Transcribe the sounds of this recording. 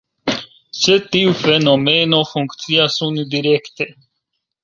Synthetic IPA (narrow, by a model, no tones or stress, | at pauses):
set̪iufenomenofuŋkt̪t͡siasund̪iɾekt̪e